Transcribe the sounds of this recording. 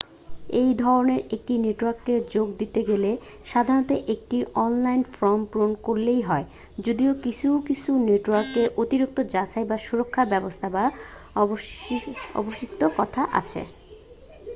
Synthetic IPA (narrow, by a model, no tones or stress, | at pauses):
ejd̪ʱɔɾoneɾek̚ʈineʈwaɾkːed͡ʑoɡd̪it̪eɡele | ʃad̪ʱaɾonot̪eʔek̚ʈiʔɔnlajnfɾɔmpɾonkoɾlejɦɔe | d͡ʑod̪iokit͡ɕʰuwkit͡ɕʰuneʈwaɾkːeʔot̪iɾuk̚t̪od͡ʑat͡ɕʰajbaʃuɾokʰːabɛbost̪ʰaba | ɔ̰boʃikt̪okɔt̪ʰaʔa̰t͡ɕʰḛ